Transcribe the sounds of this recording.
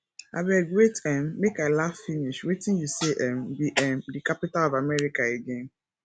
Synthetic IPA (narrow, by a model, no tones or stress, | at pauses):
a̰bɛɡwetɛmːekaɪlaffiniʃwetĩnjuseʔɛ̃mbiʔɛ̃mdikapitalɔvamɛɾikaeɡẽn